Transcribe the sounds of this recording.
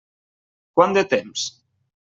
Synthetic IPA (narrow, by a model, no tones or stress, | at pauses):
kwand̪et̪ems